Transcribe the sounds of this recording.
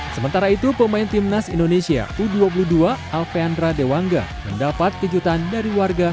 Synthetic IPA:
səmənt̪aɾait̪upəmaint̪imnasḭndonesia̰ʔuduap̬uluduaalfeandɾadewaŋɡa̰məndapat̪̚kəd͡ʒut̪andaɾiwarɡa

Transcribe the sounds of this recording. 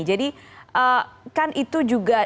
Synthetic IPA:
d͡ʒadiʔəkanʔit̪ud͡ʒuɡa

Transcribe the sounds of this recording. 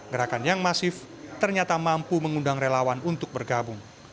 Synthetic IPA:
ɡəɾakanjaŋmasɪf | t̪ərɲat̪amampuməŋundaŋrelawanunt̪ʊk̚bərɡabʊŋ

